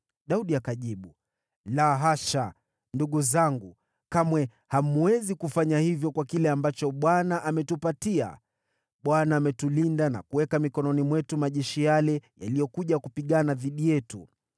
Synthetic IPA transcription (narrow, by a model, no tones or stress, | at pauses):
ɗauɗiakaʄiɓu | laɦaʃa | nduɠuzaŋɡu | kamwɛ | hamuwɛzikufaɲahivjɔkwakilɛambat͡ʃɔɓwanaʔamɛtupatia̰ | ɓwanaːmɛtulindana̰kuwɛkamikɔnɔnimwɛtumaʄɛʃijalɛja̰lijɔkuʄakupiɠanaðiɗijɛtu